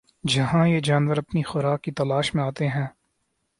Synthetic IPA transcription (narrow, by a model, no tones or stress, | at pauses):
d͡ʒɐɦãjed͡ʒaːnʋəɾɐpnixʊɾaːkːit̪ɐlaːʃmẽaːt̪eɦɛ̃ː